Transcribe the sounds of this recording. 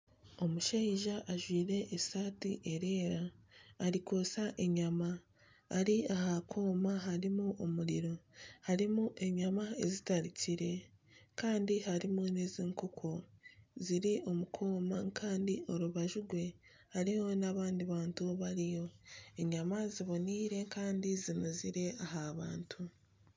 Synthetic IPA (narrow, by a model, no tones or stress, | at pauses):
o̞muʃeiʒaʔaʒwiːɾe̞ʔːsaːtiʔeɾeːɾaːɾikosaʔe̞ɲamaː | ɾiahakʰo̞ːmaɦaɾimuʔomuɾiɾo̞haɾimuʔe̞ɲamaezitaɾiciɾe̞kaːndihaɾimuneziːŋkukʰoziɾio̞mukʰo̞ːmakʰaːndioɾuβaʒuɡwe̞ | haɾiho̞naβaːndiβaːntuβaɾijo̞eɲamaziβo̞niːɾe̞kaːndizinuziɾe̞aɦaːβaːntʰu